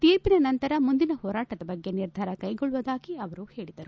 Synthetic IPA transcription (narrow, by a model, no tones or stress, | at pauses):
t̪iːɾpinɐnɐnt̪ɐɾɐmund̪inɐhɔːɾaːʈɐd̪ɐbɐɡːe̞niɾd̪ʱaːɾɐkɐjɡɔɭːuʋɐd̪aːkiɐʋɐɾuhe̞ːɭid̪ɐɾu